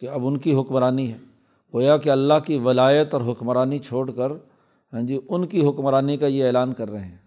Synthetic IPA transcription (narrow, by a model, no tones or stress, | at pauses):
keɐbʊnkiɦʊkmɾaːniɦɛː | ɡoːjakeɐlːaɦkiʋɐlaːjət̪ɔːɾɦʊkmɾaːnit͡ʃʰoːɽkəɾ | ɦɛ̃ːd͡ʒiʊnkiɦʊkmɾaːnikajeeːlaːnkɐɾːɐɦeɦɛ̃ː